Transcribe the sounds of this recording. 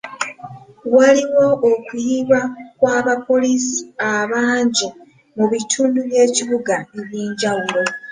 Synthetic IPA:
waliwo̞ːkuiβakwaːβapo̞lisi̥aβaːɲɟi | muβitʰuːnduβje̞ːciβuɡaeβjiːɲɟawulo̞

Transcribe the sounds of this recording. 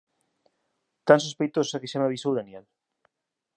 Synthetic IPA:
t̪ansospejt̪oso̥akesamaβisowðaniɛl

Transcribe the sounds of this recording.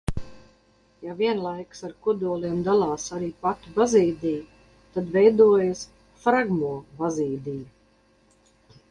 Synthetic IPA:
javʲiɛnlˠajksaɾkuɔd̪uɔlˠiɛmd̪alˠɑːsaɾiːpat̪ubaziːd̪ʲiː | t̪ad̪vɛjd̪uɔjas | fɾaɡmuɔbaziːd̪iː

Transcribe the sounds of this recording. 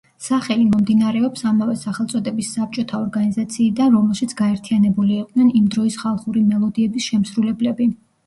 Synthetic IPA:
saχɛlimɔmd̪inaɾɛɔpsamavɛsaχɛlˠt̪sʼɔd̪ɛbisːap̚t͡ʃʼɔt̪ʰaɔɾɡanizat̪sʰiːd̪anɾɔmɛlˠʃit̪sʰɡ̥aɛɾt̪ʰianɛbuliːqʼd̪nɛnimd̪ɾɔisχalˠχuɾimɛlˠɔd̪iɛbisʃɛmsɾulɛblɛbi

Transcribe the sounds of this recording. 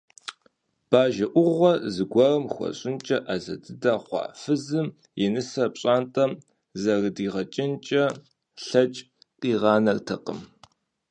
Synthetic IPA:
b̥aːʒɐʔʷʊʁʷɔzɨɡʷɐrɐmxʷɔ̰ɕʼɪnt͡ʃʼɐʔaːzɐ̰dɨdaːχʷɑ̰ːfɨzɨm | jɛnɨsɐpɕʼɑːntʼɐm | zɐrdiːʁɐt͡ʃʼɪnt͡ʃʼɐ | ɬɐt͡ʃʼ | qʼiːʁɑːnɐrtʰɐqə̰m

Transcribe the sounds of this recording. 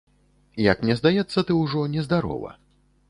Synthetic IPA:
jɐkmnʲɛzd̪ajɛt̪sːɐt̪ɨwʐɔnʲɛzd̪aɾɔ̰vɐ̰

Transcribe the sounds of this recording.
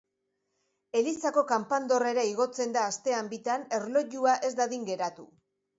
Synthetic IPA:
e̞lisako̞kampand̪o̞re̞ɾaiɣo̞t͡se̞nd̪aːst̪e̞ambit̪ane̞rlo̞ʝuaʔe̞zd̪aðiŋɡe̞ɾat̪u

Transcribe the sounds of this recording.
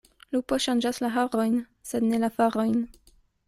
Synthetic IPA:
lupoʃand͡ʒaslaɦaɾo̞jn | se̞d̪ne̞lafaɾo̞jn

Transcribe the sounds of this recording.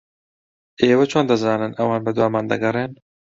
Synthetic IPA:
eːwɐt͡ʃʰoːnd̪ɐzɑːnɨnʔɐwaːnbɛd̪waːmaːnd̪ɐɡɐɾeːn

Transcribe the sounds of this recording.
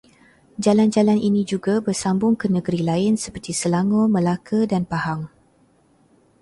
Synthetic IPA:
d͡ʒaland͡ʒalanʔinid͡ʒuɡabərsambʊŋkənəɡəɾilaɪnsəpərt̪isəlaŋõməlakədanpahaŋ

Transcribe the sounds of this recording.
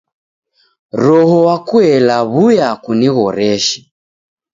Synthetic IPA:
ɾɔhɔwakuɛlaβujakuniɣɔɾɛʃi̥

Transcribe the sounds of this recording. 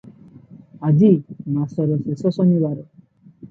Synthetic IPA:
ad͡ʒimasɔɾɔsesɔsɔniwaɾɔ

